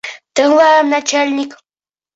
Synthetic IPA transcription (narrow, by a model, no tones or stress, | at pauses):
t̪əwaːnat͡ʃalnɪk